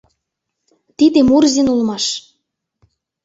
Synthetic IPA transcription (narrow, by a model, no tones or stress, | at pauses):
t̪id̪emurzinulmɑʃ